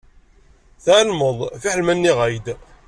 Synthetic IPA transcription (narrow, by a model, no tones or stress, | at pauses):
θaʕlməðˤfiħəlmænːiʁæjd̪